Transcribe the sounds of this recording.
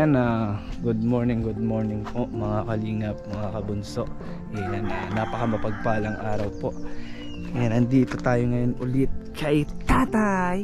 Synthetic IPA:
anɐɡʊd̪̚moɹnɪŋɡʊd̪̚mo̞ɹnɪŋpo̞ʔmɐŋakɐliːŋɐp̚mɐŋakɐbʊnso̞ʔ | ɛanɐnapɐkɐmɐpɐɡ̚paːlɐŋʔaːɾɐwpo̞ʔ | anhɪnd̪iʔɪt̪o̞t̪aːjoŋɐjo̞nʔʊlɪt̪̚kɐjt̪aːt̪aj

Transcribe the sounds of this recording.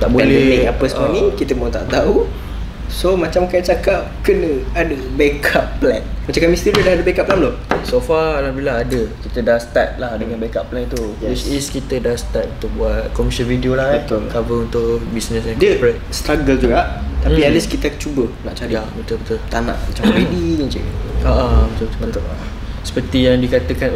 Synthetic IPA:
t̪aʔboɛlɛneapəsəmanĩkit̪əmot̪a̰ʔt̪au | somat͡ʃamkajt͡ʃakap̚kənə̃adəbekʰapːlɛnmat͡ʃamkamist̪iɾidahadəbekaʔp̚lamlo | sofalahbilaːdəkit̪ədahst̪at̪̚lahdəŋãnbakaplɛnt̪ukewit͡ʃiskit̪ədahsə̥t̪at̪̚unt̪ʊk̚buat̪̚kɔmiʃə̃nvidiolahbət̪ʊlkavəunt̪ʊʔbisnəsɛ̃ndkəpɾet̪̚st̪ɾaɡəld͡ʒuɡaʔt̪ampialiskit̪ət͡ʃubənaʔt͡ʃaɾiaʔbət̪ʊlbət̪ʊlt̪anã̰ʔmat͡ʃampediə̃t͡ʃə̰aʔabət̪ʊlbət̪ | sə̥pət̪ijaŋdikat̪əkan

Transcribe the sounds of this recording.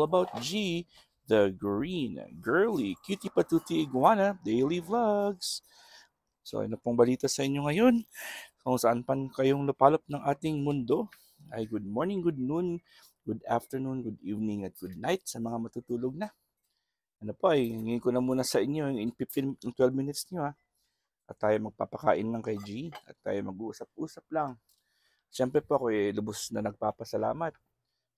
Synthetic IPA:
lˠɐbawt̪̚d͡ʒi | ðɐɡɹinɐ̰ɡɛɹlikjut̪ipɐt̪ut̪iʔɪɡwanɐd̪ejlivlɐɡs | so̰ʔɐ̰nopoŋbɐliːt̪ɐsɐʔɪɲjo̞ŋɐjo̞nkoŋsɐʔanpɐnkɐjoŋlʊpaːlɐp̚nɐŋʔaːt̪ɪŋmʊnd̪o̞ | ʔɐjɡʊd̪̚moɹnɪŋɡʊd̪̚nun | ɡ̥ud̪a̰ft̪ɛɹnunɡʊd̪iːvnɪŋɐt̪̚ɡ̥ud̪̚najt̪̚sɐmɐŋamɐt̪ut̪uːloɡ̚nɐ | ʔɐnopo̞ʔɐjɪŋiŋkonɐmuːnɐsɐʔɪɲːo̞jʊŋɪŋfɪft̪ɪnŋt̪wɛlbmɪnɪt̪sɲoa | ʔɐt̪ːaːjomɐɡ̚papɐka̰ːʔɪnlɐŋkɐjd͡ʒiʔɐ̰t̪ːa̰ːjomɐɡʔuːsɐp̚ʔuːsɐp̚lɐŋ | ʃɛmpɾɛpo̞ʔɐko̞ʔɛlʊbosnɐnɐɡ̚papɐsɐla̰ːmɐt̪̚

